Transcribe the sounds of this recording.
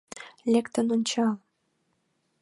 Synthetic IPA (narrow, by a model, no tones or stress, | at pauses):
lʲekt̪ənonʲt͡ɕɑlˠ